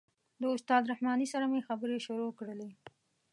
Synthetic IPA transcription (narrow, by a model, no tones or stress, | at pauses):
d̪əʊst̪ɑd̪ɾahmɑnisaɾamujexabəɾeʃʊɾokɽəle